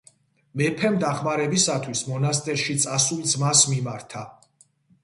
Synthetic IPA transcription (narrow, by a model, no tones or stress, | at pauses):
mɛpʰɛmd̪aχmaɾɛbisat̪ʰwismɔnast̪ʼɛɾʃit̪sʼasulˠd̪zmasmimaɾt̪ʰa